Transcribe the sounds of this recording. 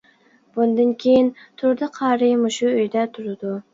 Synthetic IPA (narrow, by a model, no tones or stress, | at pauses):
b̥und̪ɨnkʲʰejint̪ʰʊɾd̪ɨqʰɑːɾɨjmʊʃuøjd̪ɛt̪ʰʊɾɨd̪u